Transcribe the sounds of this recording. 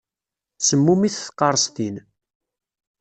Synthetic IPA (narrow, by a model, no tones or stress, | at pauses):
səmːumiθθqːɑɾˤəst̪in